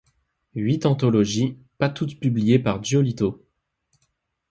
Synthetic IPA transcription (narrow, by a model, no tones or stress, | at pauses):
ɥit̪ɑ̃t̪ɔlɔʒi | pat̪ut̪pyblijepaʁdjɔlit̪o